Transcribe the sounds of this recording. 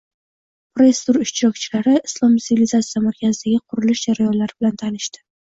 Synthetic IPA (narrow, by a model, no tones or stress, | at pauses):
pɾoest̪uɾʊʃt͡ʃɾɒk̚t͡ʃʰɪlaɾɪːslˠɒmt̪sɪvilizat̪sijamaɾkʲazɪd̪aɡʲaqʰʊɾɪlɪʃd͡ʒaɾajɒnlaɾɪbɪlant̪ʰanɪʃt̪ɪ̥